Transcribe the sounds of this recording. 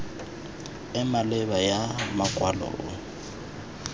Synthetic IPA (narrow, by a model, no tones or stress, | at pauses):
ɪmalɛbajamakʼwalɔ̰ːʔʊ̰